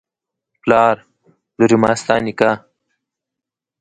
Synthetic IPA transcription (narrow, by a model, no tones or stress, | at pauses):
plɑːɾ | d̪uɾimɑːst̪ɑːnika